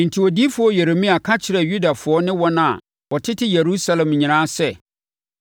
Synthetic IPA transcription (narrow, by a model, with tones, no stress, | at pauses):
n̩˨tʰi˨wɔ˨di˦fʊ˨˦ɔ˦je˨ɾe˨mĩ˦a˨kʰa˦t͡ɕʰɪ˨ɾɛ˨ju˦da˨fʊ˨ɔ˦nɪ̃˦wɔ˦nã˨ | wɔ˨tʰɪ˦tʰɪ˦je˨ɾu˦sa˦lɛ̃˨mɲĩ˨ɾ̃ãː˦sɛ˦˨